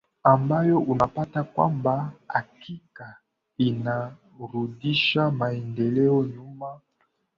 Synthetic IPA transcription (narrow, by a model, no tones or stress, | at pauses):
ambajɔʔunapatakwa̰mbaa̰kʰika | ina | ɾudiʃamaɛndɛlɛɔɲuma